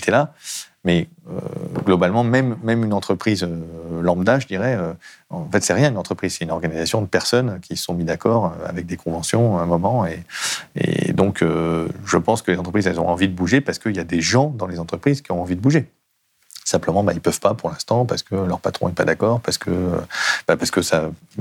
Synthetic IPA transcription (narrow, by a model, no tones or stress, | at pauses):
t̪ʰɛla | mɛ | ø̰ɡlɔbalmɑ̃mɛmːɛmynɑ̃t̪χəpχizølɑ̃bd̪aʒəd̪iʁɛøɑ̃fɛt̪sɛʁjɛ̃ynɑ̃t̪χəpχizsɛt̪ynɔʁɡanizasjɔ̃d̪əpɛʁsɔnkʲʰisə̥sɔ̃mid̪akɔʁøa̰vɛk̚d̪ekʰɔ̃vɑ̃sjɔ̃ɛ̃mɔmɑ̃eḛd̪ɔ̃kʰøʒəpɑ̃skəlezɑ̃t̪χəpχizɛlzɔ̰̃ʔɑ̃vid̪əbuʒepaʁsə̥kəiljad̪eʒɑ̃d̪ɑ̃lezɑ̃t̪χəpχizkʲiɔ̃ɑ̃vid̪əbuʒe | sɛ̃pləmɑ̃bailpœv̥papuʁlɛ̃st̪ɑ̃paʁsə̥kʰəlœʁpat̪χɔ̰̃ɛpad̪akɔːʁpaʁsə̥kʰəø̰bapaʁsə̥kəsa